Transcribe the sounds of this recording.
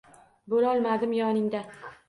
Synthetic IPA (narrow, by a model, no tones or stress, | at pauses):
bolɒlˠmad̪ɪmjɒnɪŋd̪a